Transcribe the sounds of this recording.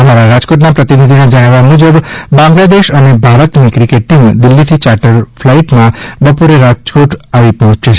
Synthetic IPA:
əmaɾaɾad͡ʒkoʈnapɾət̪inid̪ʱinad͡ʒəɽ̃ʋamud͡ʒəbbãŋɡlad̪eʃənebʱaɾət̪mikɾikeʈimd̪ɪlːit̪ʰit͡ʃaɾʈəɾflaiʈmãbəpoɾeɾad͡ʒkoʈaʋipɔɦɔ̃t͡ʃet͡ʃʰe

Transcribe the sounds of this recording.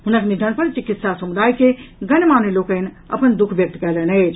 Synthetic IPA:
ɦunəknid̪ʱənpəɾt͡ʃikit̪sasəmud̪ʱaːjkeɡənmanelokən | ə̰pənd̪ukʰbjək̚t̪kɛlɛnət͡ʃʰ

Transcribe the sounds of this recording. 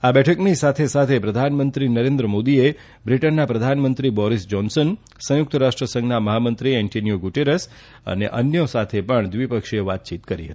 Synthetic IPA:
abɛʈʰəknisat̪ʰesat̪ʰepɾəd̪ʱanmənt̪ɾinəɾẽnd̪ɾəmod̪ie | bɾiʈənːapɾəd̪ʱanmənt̪ɾibɔɾisd͡ʒɔnsən | sə̃jʊk̚t̪əɾaʃʈɾəsə̃ŋɡnaməɦamənt̪ɾiɛɳʈonijoɡuʈeɾəs | ə̰nḛʔənjosat̪ʰepəɳd̪ʋipəkʃeʋat̪̚t͡ʃit̪kəɾḭɦə̰t̪i̥

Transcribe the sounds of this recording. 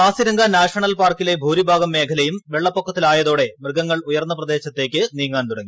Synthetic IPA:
aːsiɾɐŋɡɐnaːʂɐɳɐlpaːrkːile̞bʱuːɾibʱaːɡɐmːe̞ːkʰɐlɐjumʋeɭːɐpːokːɐt̪ːilaːjɐðo̞ːɽe̞mrɨɡɐŋːɐɭujɐrnːɐprɐd̪e̞ːɕɐt̪ːe̞ːkʲːɨniːŋːaːnt̪uɽɐŋːi

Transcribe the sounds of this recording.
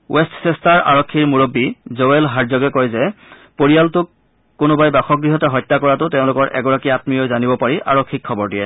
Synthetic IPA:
wʔestsɛstaɹʔa̰ɹɔkʰːiɹmuɹobːizoelɦaɹzɔɡɛkɔjzɛ | poɹijaltʊkː | ʊnʊbajbaxɔkɡɹiɦɔtɛɦɔjtːakɔɹatʊteʊ̃lʊkɔɹʔɛ̰ɡɔɹakiatmiɔjzanibɔpaɹiʔa̰ɹɔkʰːikʰːɔbɔɹdijɛ

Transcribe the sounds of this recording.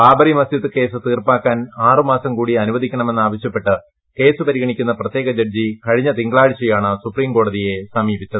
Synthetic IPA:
paːbɐrimɐsd̪it̪ːɨke̞ːsɨt̪iːrpaːkːaːnaːrɨmaːsɐmkuːɽiɐnuʋɐðʱikʲːɐɳɐme̞nːaːʋɐɕjɐpːe̞ʈːɨ | ke̞ːsɨpɐɾiɣɐɳikʲːunːɐprɐt̪jeːɣɐd͡ʑɐrd͡ʑikɐɻiɲːɐt̪iŋɡɭaːɻit͡ɕːɐjaːɳɨsupriːmko̞ːɽɐðije̞sɐmiːbit͡ɕːɐðɨ

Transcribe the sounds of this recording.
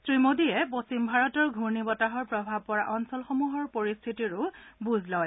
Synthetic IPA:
sɹimodijɛposimbʱaɹɔtɔɹɡʱuɹnibɔtaɦɔɹpɹɔbʱab̚pɔɹaʔɔnsɔlxomuɦɔɹpoɹist̪ʰitiɹʊbuzlɔj

